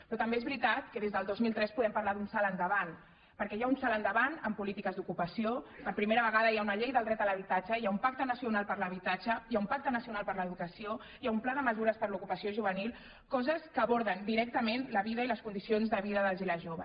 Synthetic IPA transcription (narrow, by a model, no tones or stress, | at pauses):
pɾɔt̪əmbeːzβɾit̪at̪̚kəðezðəlˠd̪ozmilˠt̪ɾɛspuðɛmpɐɾlaðunsalənd̪əβan | pəɾkɛjaunsalənd̪əβanəmpulit̪ikəzd̪ukupəsiopəɾpɾimeɾəβ̞əɣaðəjaunəʎejðəlˠd̪ɾɛt̪ələβ̞it̪ad͡ʒəjaumpak̚t̪ənəsiunalˠpəɾləβit̪ad͡ʒəjaumpak̚t̪ənəsiunalˠpəɾləðukəsio | jaumplaðəməzuɾəspəɾlukupəsioʒuβənilˠ | kɔzəskəːβɔɾðənd̪iɾɛk̚t̪əmenləβiðəiləskund̪isionzðəβiðəðəlˠziləʒoβə